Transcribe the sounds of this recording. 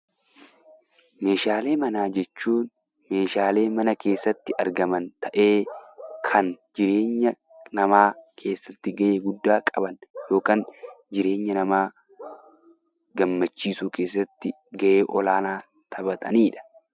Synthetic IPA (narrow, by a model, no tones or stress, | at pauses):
me̞ːʃaːle̞ːmɐnaːd͡ʒɛt͡ʃːuːn | me̞ːʃaːle̞ːmɐnɐkʰe̞ːsːɐt̪ːɪʔɐɾɡɐmɐnt̪ɐʔe̞ːkʰɐnd͡ʒɪɾe̞ːɲːɐ | nɐmaːkʰe̞ːsːɐt̪ːɪɡɐʔeːɡʊd̪ːaːkʼɐbɐnjo̞ːkaːnd͡ʒɪɾe̞ːɲːɐnɐmaː | ɡɐmːɐt͡ʃːiːsuːkʰe̞ːs̬ːɐt̪ːɪ | ɡɐʔe̞ːʔɔlaːnaː | t̪ʰɐbɐt̪ʼɐ̰niːᶑɐ̥